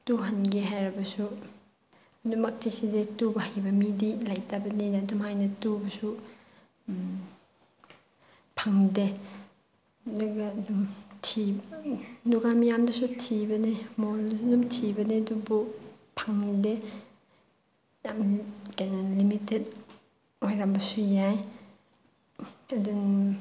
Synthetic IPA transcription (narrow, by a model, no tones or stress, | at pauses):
tuɦɐnɡeɦajɾɐbɐsu | ɐdumɐk̚tesiditubɐhajbɐmidilajtabɐninɐdumhajnɐtubɐsu | pʰaŋde | ɐduɡɐdumtʰi | nuɡamijamdɐsutʰibɐnemoldumtʰibɐnedubu | pʰaŋde | jamkajnɐlimitet̚ | wajɾambɐsujaj | ɐdun